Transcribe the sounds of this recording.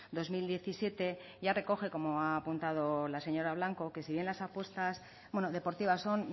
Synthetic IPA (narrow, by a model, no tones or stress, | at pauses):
d̪o̞zmild̪je̞θisje̞t̪e̞ | ʝare̞ko̞xe̞ko̞mo̞aːpunt̪að̞o̞lase̞ɲo̞ɾaβ̞laŋko̞ke̞siβje̞nlasapwe̞st̪as | bwe̞noðe̞po̞ɾt̪iβasːo̞n